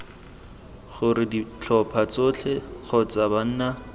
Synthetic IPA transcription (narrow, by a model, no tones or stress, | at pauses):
χʊɾɪdit͡ɬʰɔpʰat͡sot͡ɬʰɛk͡xʰɔt͡saban̩ːna